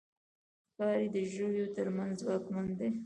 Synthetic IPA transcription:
kɑɾid̪əʒowjot̪əɾmanzzwɑkmand̪e

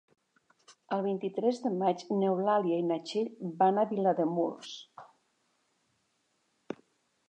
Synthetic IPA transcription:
əlˠβint̪it̪ɾɛzðəmad͡ʒnewlaljainat͡ʃeʎbanaβilaðəmṵls

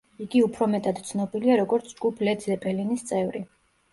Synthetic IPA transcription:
iɡiupʰɾɔmɛt̪ʼad̪̥t̪sʰnɔbiliaɾɔɡɔɾt̪sʰd͡ʒɡupʰlɛd̪zɛpʼɛlinist̪sʼɛvɾi

